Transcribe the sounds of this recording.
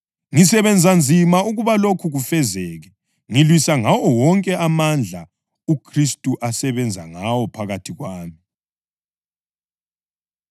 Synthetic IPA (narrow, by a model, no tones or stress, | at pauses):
ŋisɛβɛnd͡zʱand͡zʱimauɣuβalokʰuɣufɛzɛːɣɛ | ŋilwisaŋawɔwɔŋkʼɛamand͡ɮʱa | ukʰristʼuʔasɛβɛnd͡zʱaŋawɔpʰaɣatʰiɣwaːmi